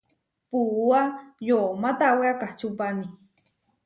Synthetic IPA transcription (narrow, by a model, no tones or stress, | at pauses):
puːajomat̪aweakaht͡ʃupani